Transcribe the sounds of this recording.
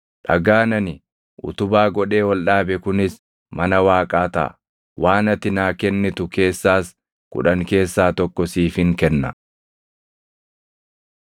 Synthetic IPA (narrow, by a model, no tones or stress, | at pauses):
ᶑɐ̰ɡaːnɐnɪ | ʔʊ̰t̪ʊbaːɡɔᶑe̞ːwɔlᶑaːbɛkʊnɪs | mɐnɐwaːkʼaːt̪ɐ̰ʔ | waːnɐt̪ːɪnaːkɛnːɪt̪ʊke̞ːsːaːs | kʊ̰ᶑɐŋke̞ːsːaːt̪ɔkːɔsiːfɪŋkɛnːɐ